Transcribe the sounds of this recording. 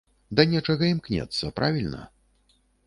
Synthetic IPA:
d̪ɐnʲɛt͡ʂɐɣɐimknʲɛ̰t̪sːɐpɾʔavʲilʲnɐ̰

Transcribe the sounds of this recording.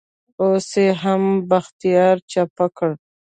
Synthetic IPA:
oseɦambaxt̪ijɑɾt͡ʃapakəɽ

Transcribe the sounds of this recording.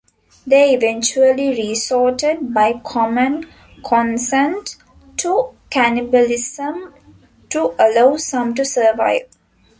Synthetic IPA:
d̪eːiʋẽnt͡ʃuəliɾiːsɔːʈeɖ̚baɪkʰɔmə̃n | kʰɔ̃nsẽnʈ | ʈʰːukænibəlisə̃m | ʈuʔəlaʊsɐ̃mʈusəːʋa̰ɪʋ

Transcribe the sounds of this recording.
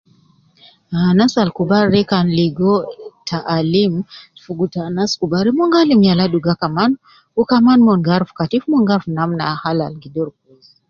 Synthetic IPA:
anasalkubaɾːɛkanliɡɔtʰaʔːlimfuɡutanaskubaɾimɔŋɡalimjaladuɡakaman | ukamanmɔnɡaɾfu̥katifmɔŋɡaɾfnamnahalalɡidɔɾkuz

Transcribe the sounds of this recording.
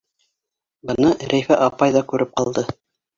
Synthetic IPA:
bɤ̆nɤɾæjfæʔɑpɑjðɑkʉɾɘp̚qɑlˠd̪ɤ

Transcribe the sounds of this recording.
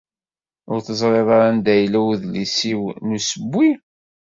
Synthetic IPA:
ʊɾθəzˤɾˤeðˤɑɾænd̪æjlæwðlisiwnusəbːi

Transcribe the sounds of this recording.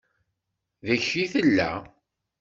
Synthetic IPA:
ðæçiθəlːæ̰

